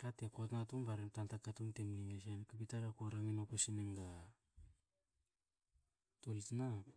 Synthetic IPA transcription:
katekotnatumbaɾemtantakatumtemniŋesenkapitaɾakoɾaŋinopasineŋɡa | tolitna

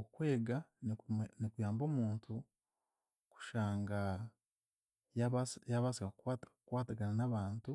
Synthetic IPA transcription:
okwe̞ːɡannikujaːmbo̞ːmuːntʰu | ku̥ʃaːŋɡa | jaβasjaβasikakkatkwaːtaɡananaβaːntu

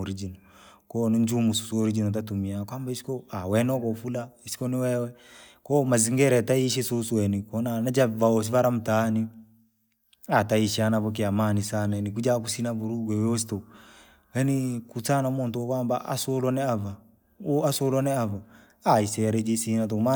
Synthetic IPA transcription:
ɾid͡ʒinɔ | kɔnind͡ʒumususoɾid͡ʒinɔt̬atumiakwambaisi̥kɔawɛnɔkɔfulaisi̥kɔniwɛwɛkɔmaziŋɡɛɾɛtaiʃ̬ɛsosuwɛnikɔnanad͡ʒavaɔs̬ivaɾam̩tani | ataiʃanavɔk̬iamanisananik̬ud͡ʒak̬usinabuɾuɡwɛwos̬i̥tɔ | wɛnikut͡sanamɔntɔkwamba̰ʔa̰sɔlɔnɛava | oasolɔnɛava | aisɛɾɛd͡ʒesinat̬ɔma

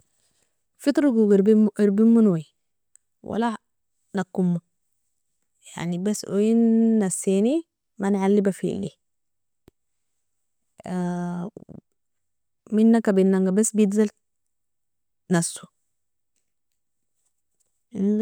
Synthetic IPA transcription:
fit̪ɾuɡuɡɾiɾbimːunoji | wa̰la | nakːumːu | ja̰ʕnibasːʔojinːasːini | manʕalːibafḭlḭ | minːakabinːaŋɡabasːbijid̪zal | nafsu̥

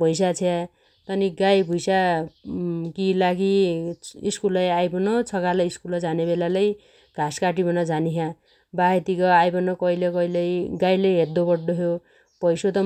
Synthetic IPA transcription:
pʌjs̬at͡sʰea | t̪ʌniɡajbʱujsa | kilaɡi | iskulajajbʌnot͡sʰʌkalaiskulʌd͡zanebelalaj | ɡ̥ʱaskaʈ̬ibʌnʌd͡zʱaniɦã | baɦet̪ikʌajbʌnʌkʌilekʌilejɡajlejɦed̪obʌɽɖoɦjo | pʌjsot̪ʌ

